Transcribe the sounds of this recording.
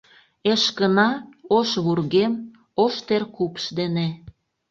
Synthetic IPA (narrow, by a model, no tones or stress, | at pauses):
eʃkənɑoʃβurɣem | oʃt̪erkupə̥ʃd̪ene